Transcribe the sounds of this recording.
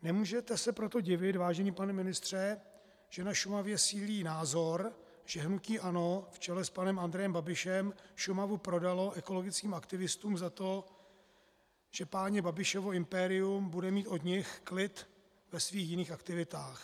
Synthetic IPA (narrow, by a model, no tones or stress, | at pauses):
nɛmuːʒɛt̪ɛsɛpɾo̞t̪o̞ɟɪvɪt̪vaːʒɛɲiːpanɛmɪnɪst̪r̝̥ɛ | ʒ̥ɛnaʃumavjɛsiːliːnaːzo̞ɾ | ʒ̥ɛɦnuciːʔano̞ft͡ʃɛlɛspanɛmand̪ɾɛjɛmbabɪʃɛmʃumavupɾo̞dalo̞ʔɛko̞lo̞ɡɪt͡skiːmakt̪ɪvɪst̪uːmzat̪o̞ | ʒ̥ɛpaːɲɛbabɪʃovo̞ɪmpɛɾɪumbudɛmiːt̪ʔo̞d̪ɲɪxklɪt̪ | vɛsviːxjɪniːxakt̪ɪvɪt̪aːx